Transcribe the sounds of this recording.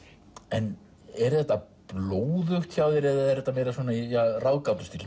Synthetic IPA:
ɛn | ɛɾ̥θɛht̪ːa | ploːwðʏxt̪çaːwðɪɾɛðaðɛɾðɛht̪ːameːjɾasvɔːnaijarawðkawt̪ʏ̥st̪il

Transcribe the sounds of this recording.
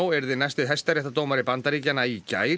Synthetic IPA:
wɛɾðɪnajst̪ɪɦɛjst̪aɾɛht̪at̪oːwmaɾɪpant̪aɾiːcanaica̰ːj

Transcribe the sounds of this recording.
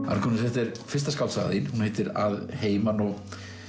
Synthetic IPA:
a̰ɾkʰɔnɪsɛft̪ɛɾfɪst̪askawt̪sa̰ɣðinhunhejt̪ɪɾa̰ðheːjmanɔɣ

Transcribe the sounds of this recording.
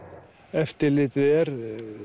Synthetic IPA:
ɛft̪əlɪt̪ʋeɾ

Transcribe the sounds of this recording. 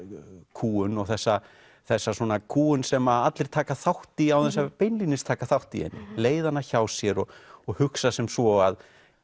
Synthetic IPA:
kʰuːʏnɔɣθɛsːa | θɛsːaswɔːnakʰuːʏnsɛmaat̪lɪɾ̥t̪ʰaːkaθawht̪iawθɛs̬ːapejnlinɪst̪ʰaːkaθawht̪iɛ̰nːɪleːjðanːaçaːwsjɛɾɔɣɔɣhʏksasɛmsvɔað

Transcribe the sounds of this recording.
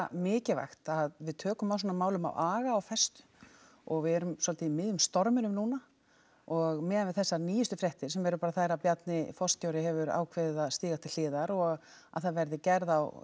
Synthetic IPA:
mɪːcɪva̰xt̪aðvɪðt̪ʰœːkʏmawsɔːnamaːwlʏma̰waːɣaːwfɛst̪ʏ̥ | ɔɣvɪðɛɾʏmswɔlt̪ɪimɪðjʏmst̪ɔɾmɪnʏmnuːna | ɔɣmɛːðanvɪðθɛsːaniːjʏst̪ʏfɾjɛht̪ɪɾ̥sɛmvɛɾʏpaːɾaθajɾapjat̪nɪfɔst̪ʰjowɾɪɦɛvʏɾa̰ːwkʰvɛððaðst̪iːɣat̪ʰɪl̥ːɪːðaɾɔɣ | a̰ðθaðvɛɾðɪcɛɾðaw

